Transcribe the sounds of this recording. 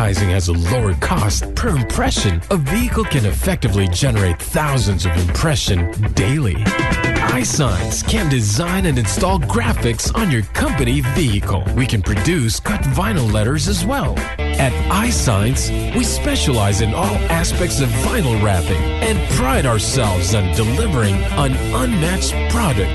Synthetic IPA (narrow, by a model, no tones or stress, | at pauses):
aɪzɪ̃ŋɨzəloʊə˞kʰɔst̚pʰə˞ɨ̃mpʰɹ̥ɛʃɨ̃nʌviɨkl̩ˠkʰɨ̃nɨfɛk̚tɨvlid͡ʒɛnə˞eɪt̪̚θaʊzɨ̃nzʌvɨ̃mpʰɹ̥ɛʃɨ̃ndeɪlˠḭʔaɪsãɪɨ̃nskʰɨ̃ndɨzãɪ̃nɨ̃nɨ̃nstɔlˠɡɹæfɨksn̩jə˞kʰʌ̃mpɨnivihɨkʰl̩ˠwikɨ̃npʰɹ̥ɨdʉskʰʌtvãɪ̃nl̩ˠlɛɾə˞zɨzwɛlˠ | ɨɾaɪsãɪɨ̃ns | wispɛʃəlaɪzɨ̃nɔlˠæspɛk̚tsʌvːãɪ̃nl̩ˠɹæpɪ̰̃ŋ | ɨ̃npʰɹ̥aɪɾaə˞sɛlˠvzɨ̃n̩dɨlɪvə˞ɪ̃ŋ | ə̃n | ʔʌ̃nmæt͡ʃ̚ | pʰɹ̥ɑɾɨk̚t